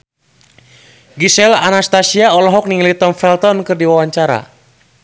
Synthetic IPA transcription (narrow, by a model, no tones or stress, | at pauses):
ɡisɛla̰nast̪asiaɔlɔɦɔk̚niŋlit̪ɔnfɛlt̪ɔnkɨrdiwawaɲt͡ʃaɾa̰